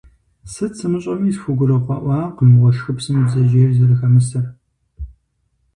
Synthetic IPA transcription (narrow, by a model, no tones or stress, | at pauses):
sɨt͡sʰɨmɨɕʼɐmiːsfuɡʷʊrɐqʷɑːʔʷɑːqəmɨʁʷɔʃxɨpsɨmbzɐʒeːrzɐɾɨxɐmɨsɐr